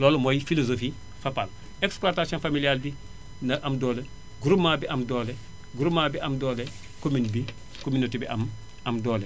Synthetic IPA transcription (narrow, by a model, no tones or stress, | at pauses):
loːlmojfilozofi | fapal | ekspluatasionfamilialbi | nɐʔamdoːle | ɡuɾumabiʔamdoːle | ɡuɾumaːbiʔamdoːle | kominbi | kominotibiʔam | amdoːle